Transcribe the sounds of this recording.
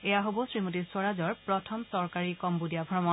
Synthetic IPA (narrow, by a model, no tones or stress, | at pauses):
ɛjaɦobɔsɹimotiɹsɔɹazɔɹpɹɔtʰɔmsɔɹkaɹikɔmbudijabʱɹɔmɔn